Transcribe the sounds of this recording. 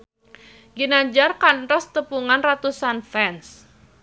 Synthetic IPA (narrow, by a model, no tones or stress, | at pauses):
ɡinad͡ʒarkantɔst̪əpuŋanrat̪usanfɛns